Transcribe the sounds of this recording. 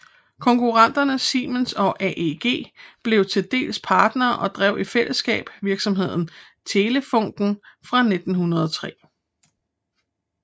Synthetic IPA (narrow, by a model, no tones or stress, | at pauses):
kʰɒ̽ŋkʰuʁɑn̰d̥ɐnəsiːmənsɒ̽ʔɛʔeɡ̥e̝̰ːb̥le̝ʊt͡sʰe̝ld̥e̝̰ːlspʰɑ̈ːd̥nɐːʔɒ̽d̥ʁɛʊ̰ifel̰əsɡ̥ɛ̰ːb̥ʋiɐɡ̥sɒ̽mɦe̝ð̞̰ˠn̩t͡sʰe̝ːləfɔ̽ŋ̰d̥n̩fʁɑ̈ne̝d̥n̩ɦunɐð̞ˠɒt͡sʰʁɛ̰ː